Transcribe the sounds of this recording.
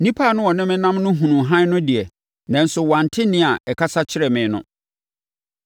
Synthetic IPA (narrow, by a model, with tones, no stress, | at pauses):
nĩ˦pʰa˦˨nʊ̃˦wɔ˨nɪ̃˦mɪ̃˦nã˦mnʊ̃˦ɦũ˨nũ˨ɦã˦nʊ̃˦di˨ɛ˨ | nã˨n̩˨sʊ˨wã˨n̩˨tʰɪ˦nɪ̃˦a˨ʔɛ˨kʰa˦sa˦t͡ɕʰɪ˦ɾɛ˨mɪ̃˨˦nʊ̰̃˦